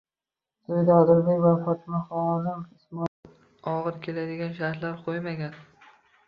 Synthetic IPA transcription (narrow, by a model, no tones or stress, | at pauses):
d̪ojd̪aɒd̪ɪɾbekʲvafɒt̪ʰɪmaχɒzɪmɪsmɒ | ɒʁɨɾkʲʰe̞lad̪ɪɡʲanʃaɾt̪laɾqʰojmaɡʲan